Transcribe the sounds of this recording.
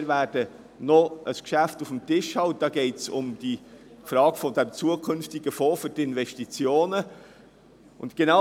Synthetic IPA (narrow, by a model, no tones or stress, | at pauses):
ɾvæːɾd̥ə | nɔʔəskʃæftufmtɪʃhɑwt̚d̥ɑːɡ̥ɛɪtsʊmd̥i | fɾɑːɡ̥fɔdɛmt͡suəkʰɵnftiɡəfɔːfʏɾtɪnvɛʃtit͡sjoːnə | ʔʊ̰ntɡ̥ena